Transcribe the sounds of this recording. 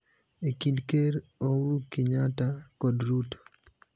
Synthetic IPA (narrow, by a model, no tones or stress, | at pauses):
ekindkeɾoɾukɪɲatakɔdɾuto̥